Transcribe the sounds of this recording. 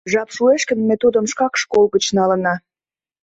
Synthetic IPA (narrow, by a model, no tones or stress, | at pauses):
ʒɑpʃueʃkə̆nmet̪ud̪ə̆mʃkɑkʃkolɣə̆t͡ɕnɑlə̆nɑ